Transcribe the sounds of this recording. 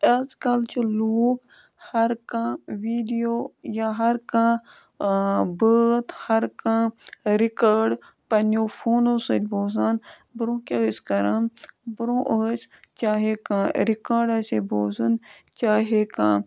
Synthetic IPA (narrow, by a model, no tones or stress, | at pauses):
ɐskɐlt͡ʃʰiluːk | hɐɾkãːʋiːɖijoːjaɦɐɾkãː | bəːt̪hɐɾkãːɾikaːɾɖ | pɐnoːfʰoːnoːsət̪boːsan | bɾõːkʲeskɐɾɐmbɾõːʔəːsʲ | t͡ʃaːɦekãːɾikaːɾɖɐːseboːzɨn | t͡ʃaːɦekãː